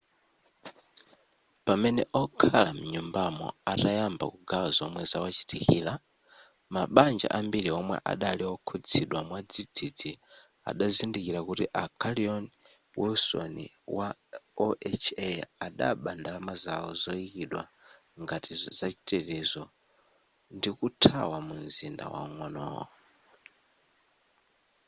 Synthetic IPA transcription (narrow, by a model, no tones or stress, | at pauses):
pamɛnɛʔɔkʰalam̩ɲumbamɔ̰atajamba̰kuɡazɔmwɛzawat͡ʃi̥tikiːla | maɓand͡ʒa̰ʔambiɾiɔmwɛ̰ʔa̰ɗaliɔkʰud͡zʰiɗwamwad͡zid͡zid͡zi | a̰ɗazindikiɾakutiʔakʰaliɔn | wʔɛsɔ̰nḭ | waɔʔɛt͡ʃʰɛaɗa̰ɓandalamazaɔzɔikiɗwa̰ | ŋɡatizat͡ʃi̥tɛtɛzɔ | ndikutʰa̰wamunzinda̰wa̰uŋɔnɔ̰ːɔ